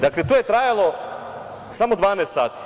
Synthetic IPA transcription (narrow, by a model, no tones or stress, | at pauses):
d̪akle̞t̪oje̞t̪ɾajalˠo̞ | samod̪ʋaːnest̪saːt̪i̥